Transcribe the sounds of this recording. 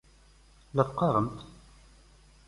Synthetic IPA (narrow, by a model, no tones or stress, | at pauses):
ləɾqːɑɾˤəmt̪